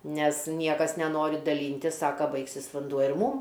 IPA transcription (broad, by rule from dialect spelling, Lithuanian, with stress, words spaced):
ˈnʲɛs ˈnʲiɛkɐs nʲɛˈnoːrʲɪ dɐˈlʲiːnʲtʲɪs ˈsɑːkɐ ˈbɐɪksʲɪs ʋɐnˈduɔ ɪr ˈmuːm